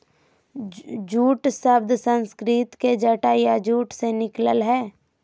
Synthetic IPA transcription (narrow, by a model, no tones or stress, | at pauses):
d͡ʒuːʈsəbd̪ʱsə̃nskɾɪt̪ked͡ʒəʈajad͡ʒuːʈsenɪkləlɦɛː